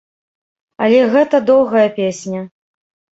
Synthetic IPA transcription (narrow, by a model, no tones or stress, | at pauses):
ɐlʲɛɣɛt̪ɐd̪ɔwɣɐjɐpʲesʲnʲɐ